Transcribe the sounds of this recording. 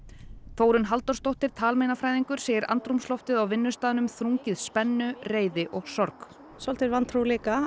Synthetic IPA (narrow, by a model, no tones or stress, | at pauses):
θoːwɾʏnɦalt̪ɔɾ̥st̪owht̪ɪɾ̥t̪ʰaːlmejnafɾajðiŋkʏɾ̥seːjɪɾa̰nt̪ɾumslɔft̪ɪðawvɪnːʏst̪aːðʏnʏmθɾuŋcɪðspɛnːʏreːjðɪʔɔɣsɔɾk | sɔl̥t̪ɪɾvant̪ʰɾuliːka